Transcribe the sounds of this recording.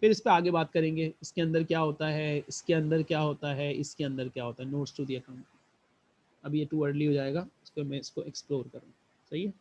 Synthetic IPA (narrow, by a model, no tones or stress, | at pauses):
pɪɾɪspeaːɡebaːt̪kɐɾẽːŋɡeːɪskeɐ̃nd̪əɾkjaːɦoːt̪aɦɛɪskeɐ̃nd̪əɾkjaːɦoːt̪aɦɛɪskeɐ̃nd̪əɾkjaːɦoːt̪aɦɛnoːʈsʈuːɖijakɐ̃m | ɐbʱijeʈuːəɾɖliɦoːd͡ʒaːeːɡaːɪspemɛ̃ɪskoʔeksploːɾkɐɾũːɡa | sɐɦieː